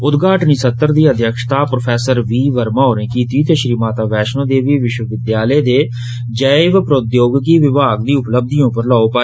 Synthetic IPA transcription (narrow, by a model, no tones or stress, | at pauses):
ʊd̪ɡʱaːʈniːsət̪ːəɾd̪iːəd̪ʱjəkʃt̪aːpɾopʰɛːsəɾʋiːʋəɾmãːɦoːɾnẽːkiːt̪iːt̪eːʃɾiːmaːt̪aːʋɛːʃnõːd̪eːʋiːʋɪʃwəʋɪd̪jaːleːd̪eː | d͡ʒəɪʋpɾoːd̪joːɡkiːʋɪbaːɡd̪iːʊpləb̚d̪iːõːpəɾlːopaː